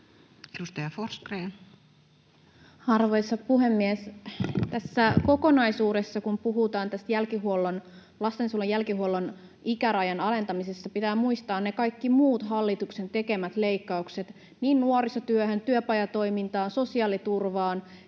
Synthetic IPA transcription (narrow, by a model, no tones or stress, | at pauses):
edust̪ɑjɑforskreːn | ɑrʋo̞jsːɑpuɦe̞mːiest̪æsːæko̞ko̞nɑjsuːde̞sːɑkumpuɦut̪ɑːnt̪æst̪jælkiɦuolːon | lɑst̪ensulːejælkiɦuolːon | ikæɾɑjɑnɑle̞nt̪ɑmisesːɑpit̪æːmuist̪ɑːnnekɑjkːimuːt̪ɦɑlːit̪ukse̞nt̪e̞ke̞mæt̪le̞ikːɑukse̞t̪ | niːnːuoɾisɑt̪yøɦønt̪yøpɑjɑt̪o̞jmint̪ɑːnso̞siɑːlit̪urʋɑːn